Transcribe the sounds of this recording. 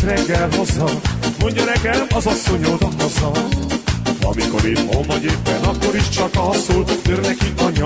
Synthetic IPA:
rɛɡːɛlɦo̞zːɒmo̞ɲɟɒnɛɡɛlɒzɒsːo̞ɲoːd̪ɒɦo̞zːɒ | ɒ̰miko̞ɾiːt̪ɦolmːɒɟeːpːɛnɒkːo̞ɾiʃt͡ʃɒkɒɦɒsolt̪øːrnɛkikɒɲːɒ

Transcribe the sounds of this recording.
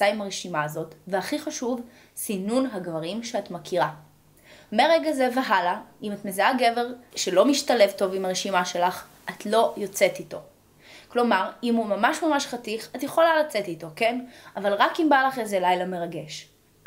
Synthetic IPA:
aimaʁeʃimaːzo̞tveaχiχaʃuv | sinunɦaɡvaʁimʃeatmakʰiʁa | meʁeɡazeveɦalaʔimatmezeaɡe̞veʁʃelo̞miʃtale̞vto̞vimaʁeʃimaʃe̞laχʔatlo̞jot͡se̞tito̞ | klo̞maʁimumamaʃmamaʃχatiχatjeχo̞lalat͡setito̞ke̞navalʁakimbalaχezelajlame̞ʁaɡe̞ʃ

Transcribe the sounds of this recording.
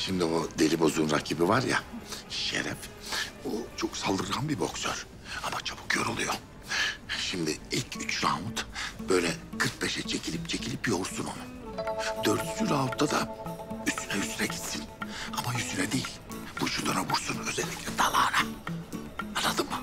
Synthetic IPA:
ʃimd̪iod̪e̞ɾibo̞zunɾacʰiːbivaɾja̰ʃḛɾɛ̰fut͡ʃʰo̞ksalˠd̪ɯɾɯɾanbibo̞ksø̰ɾ̥ | amat͡ʃʰabu̥kjoɾo̞lˠujo̞ | ʃimd̪iilʲcʰyt͡ʃzaːmut̪b̥ø̞jlʲɛkʰɯɾk̚bɛʃɛt͡ʃʰecʰilʲip̚t͡ʃʰe̞cʰilʲipjo̞ɾsuno̰nu | d̪øɾd̪ysyɾaːut̪ʰːad̪aysynɛysynɛɟit̪sinamajyst̪ynɛd̪ejilʲ | buʃut̪ʰanaβuɾsunø̞zɛlʲːiclʲɛd̪alˠaːɾa | anːad̪ɯmma

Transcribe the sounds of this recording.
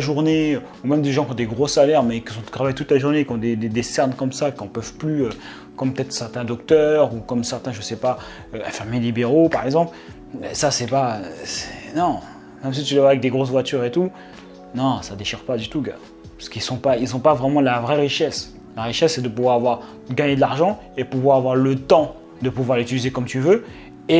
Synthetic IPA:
ʒuʁneø | umɛmd̪eʒɑ̃kʲiɔ̃d̪eɡʁosalɛʁmɛkisɔ̃t̪χavajt̪ut̪laʒuʁnekʲiɔ̃d̪ed̪ed̪esɛʁnkɔmsakiɔ̃pœvplyø | kɔmpət̪ɛt̪χsɛʁt̪ɛ̃d̪ɔkt̪œʁukɔmsɛʁt̪ɛ̃ʒəsɛpa | øɛ̃fɛʁmelibeʁopaʁɛɡzɑ̃pl | ɛsasɛpaøsɛ̥nɔ̃ | mɛms̬it̪ylavwaavɛk̚d̪eɡʁos̬vwat̪yʁet̪u | nɔ̃sad̪eʃiʁpad̪yt̪uɡa | pskilsɔ̃pails̬ɔ̃pavʁɛmɑ̃lavʁɛʁiʃɛs | laʁiʃɛsːɛd̪əpuvwaʁavwaʁ | ɡaɲed̪əlaʁʒɑ̃ | epuvwaʁavwaʁlət̪ɑ̃ | d̪əpuvwaʁlyt̪ylizekɔmt̪yvø | e

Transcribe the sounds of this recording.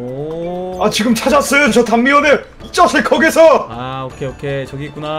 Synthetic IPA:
at͡ɕiɡɯmt͡ɕʰad͡ʑas͈ʌjot͡ɕʌtʰamːiwʌnɯ | it͡ɕ͈asʰɯɭk͈ʰʌɡesʰʌaokʰeokʰet͡ɕʌɡiek͈una

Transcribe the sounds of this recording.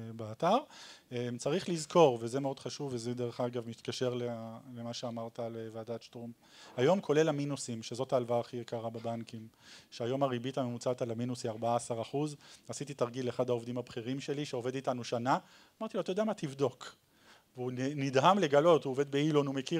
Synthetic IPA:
beataʁemt͡saʁiχlizkʰo̞ʁveze̞meo̞d̪χaʃuvːezed̪eʁeχaɡavmit̪kaʃe̞ʁlelemaʃeamaʁt̪alevead̪at͡ʃtom | ajo̞mkʰo̞le̞laminusimʃe̞zo̞t̪aːlvaːχijekaʁabebankimʃeajo̞maʁibitamemut͡sat̪alaminusiaʁbaaːsaʁaχuzasit̪it̪aʁɡileχad̪hao̞vd̪imhabχiʁimʃe̞liʃeo̞ve̞d̪itanuʃana | amaʁt̪iloat̪ajodeamat̪ivdo̞k | veunidɦamle̞ɡalo̞tuove̞d̪̚beilo̞numeki

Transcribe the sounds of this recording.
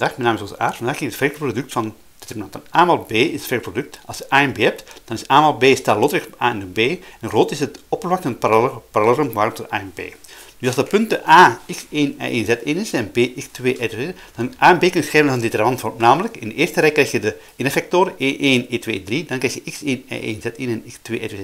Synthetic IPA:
daːxmɛjnaːmɪsoːzə̰ʔa̰ːrfɑndaːχkɪŋətfɛprodʏktfɑn | d̥etɛrmnɑntənaːmaːlˠbeːɪsətfɛkprodʏk̚tɑlˠsjəʔaːɛnbeːɦɛp̚td̥ɑnɪsaːmaːlˠbeːstaːlotɾɪxʔaːɪnəbeːɛnɣroːtɪsətɔpərvaktənpapaɾalɛlrəmʋaːɾɔmtɔʔa̰ːɛnbḛː | d̥ysɑlˠzdəpʏntəʔaːɪkseːnɛ̰ʔeːnzɛtɪːnɪsɛnbeːʔɪkstʋeːʔete | d̥ɑnʔaːɛmbeːkənsxɛːvənzəndɪtərmɑntfɔrmnaːmələkɪndəeːrstəɾɛkːrɛjxjədə | ɪnəfɛk̚toːɾəʔeːʔeːneːtʋeːdridɑnkrɛjxjəʔɪkseːnɛ̰ʔḛːnzɛtɪnɛnɪkstʋḛːʔɛ̰te

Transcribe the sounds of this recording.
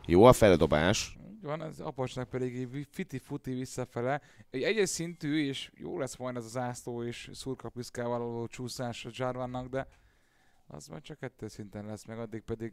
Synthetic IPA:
joːɒfɛld̪o̞ba̰ːʃḭːɟvɒnɛzɒ̰pɒt͡ʃnɒk̚pɛd̪iɡɛfit̪ifut̪ivisːɒfɛlɛ | ɛɟɛɟɛsint̪yːeːʃjo̰ːlɛsʋojnɛzɒzaːsloːeːʃsuːrkɒpiskaːvɒlɒlloːt͡ʃuːsaːʃɒd͡ʒarvanːɒɡd̪ɛ | ɒ̰zma̰t͡ʃɒkɛt̪ːøsint̪ɛnlɛsmɛɡɒd̪ːik̚pɛd̪iɡ

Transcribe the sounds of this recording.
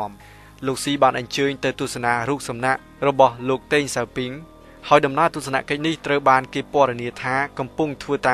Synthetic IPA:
əm | loːk̚siːɓaːnʔɑɲt͡ɕəːɲt̪ɨwt̪uəsanaːɾuːk̚sɑmnaʔ | rɔɓɑhloːk̚t̪eːɲsawpiŋ | haɔjɗɑmnaət̪ŭəsana̰ʔkəc̚niht̪rəwɓaːnkeːpŏəɗeniət̪ʰaːkɑmpuŋt̪ʰʋəːt̪a

